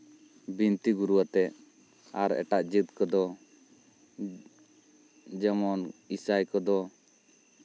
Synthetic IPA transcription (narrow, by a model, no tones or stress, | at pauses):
bint̪iɡuɾuat̪ɛ | aɾɛ̰ʈaʔd͡ʒit̪kɔd̪ɔ | d͡ʒɛmɔnisajkɔd̪ɔ